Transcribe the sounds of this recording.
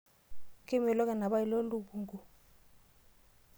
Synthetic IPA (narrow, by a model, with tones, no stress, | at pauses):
ki˦mɛ˨lɔ˦k̬ʼa˦˨na˨ɓa˦i˦˨lo˦lu˨ɓu˦ŋɡu˨